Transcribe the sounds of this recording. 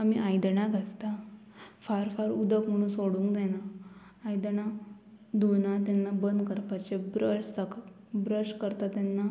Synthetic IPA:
amiʔajd̪ɳakast̪a | faɾfaɾud̪əkm̤əɽ̃ũːnsoɽũŋkd̪ɛnaː | jd̪əna | d̪unat̪anːabənd̪kəɾpat͡ɕebɾəʂsək | bɾəʂkəɾt̪at̪anːa

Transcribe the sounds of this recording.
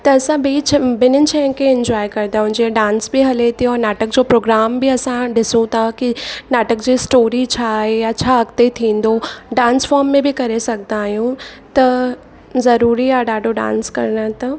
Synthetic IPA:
t̪ɐːsãbet͡ʃʰbɪnɪnt͡ʃʰɛɪ̃nkeɪ̃ɲd͡ʑwaːjkɐɾd̪aɦʊ̃d͡ʑeɖãːnsbʱiɦɐlet̪ʰiɔːɾnaːʈək̚d͡ʑoːpɾoːɡɾaːmbiɐsãɖɪsũt̪ʰakinaːʈək̚d͡ʑiːsʈoːɾit͡ɕʰaːɦeɐːʃʰaɐkt̪et̪ʰĩːn̆d̪oɖãːnsfɔːɾmːẽbʱikɐɾesɐk̚d̪aːɦijũt̪ɐ | zɐɾuːɾiaɖaːɖʱoɖã̰ːnskɐ̰ɾnat̪ɐ

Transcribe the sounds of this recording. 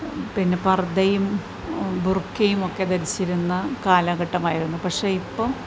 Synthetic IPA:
pinːe̞pɐrd̪ɐjum | burkʰːɐjumo̞kːe̞d̪ɐɾit͡ɕːiɾunːɐkaːlɐɣɐʈːɐmaːjiɾunːupɐkʂe̞ːipːoː

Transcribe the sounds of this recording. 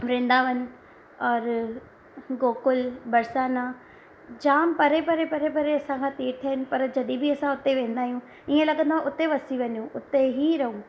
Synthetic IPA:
ʋɾẽːn̆d̪aʋɐnɪ̆ | ɔːɾ | ɡoːkʊlbɐɾsaːna | d͡ʑaːmpɐɾepɐɾepɐɾepɐɾeɐsãkʰãːt̪iːɾt̪ʰɐɦɪnɪ̆pɐɾd͡ʑɐɗĩbiɐsãʊt̪eʋẽːn̆d̪aːɦijũ | iẽlɐɠə̃nd̪aʊt̪eʋɐsiʋɐɲjũʔʊt̪eɦiɾɐɦũ

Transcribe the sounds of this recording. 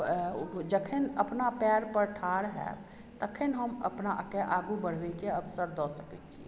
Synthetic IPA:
d͡ʒəkʰenəpnapɛɾpəɾʈʰaɽɦɛ̰b | t̪əkʰenɦəmə̰pnakeʔaɡubəɽ̤ʋɛkeəbsəɾd̪ɔsəkɛt̪t͡ʃʰḭ

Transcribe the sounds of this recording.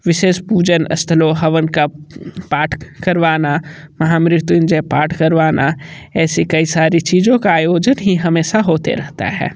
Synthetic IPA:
ʋɪʃeːʃpuːd͡ʒənɐ̰st̪ʰəloɦɐʋənkapaːʈʰkɐɾʋaːnamɐɦaːmɾɪt̪jʊnd͡ʒɛpaːʈʰkɐɾʋaːnʔaɛːsikɐisaːɾit͡ʃiːzõkaaːjoːd͡ʒənɦiɦɐmeːʃaɦoːt̪ḛɾɐɦt̪a̰ɦɛ̰ː

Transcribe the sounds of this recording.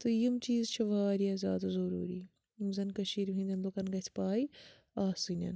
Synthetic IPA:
t̪ojimt͡ʃiːzt͡ʃʰɐʋaːɾiɐzʲa̰ːd̪ɐzɐɾṵːɾiː | imzɐnkɐʃiːɾɦĩnd̪ʲɐnd̪okɐnɡɐt͡sʰpaːi | aːsinʲɐ̰n

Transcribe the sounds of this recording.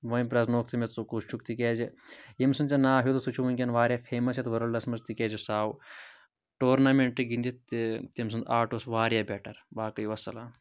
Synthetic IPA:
ʋɐipɾɐznoːkt̪ʰimet͡sukust͡ʃʰukt̪ikeːd͡ʒijimsɨnt͡sɐnaːɦjut̪usut͡ʃʰuʋɐnʲkʲɐnʋaːɾʲjaːpʰeːmɐsjɐt̪ʋɐɾɐldɐsmɐzt̪iked͡ʒisaːw | ʈoːɾnameɳʈːɨɡind̪it̪t̪imsɨnd̪aːʈosʋaːɾjaːbʲeʈɐɾʋaːkɐjiʋɐsɐlaː

